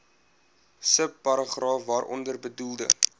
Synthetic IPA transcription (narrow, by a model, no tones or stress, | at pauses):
səpːɐɾɑχrɑːfvɑːɾʔɔ̰ndərbədulˠdə̰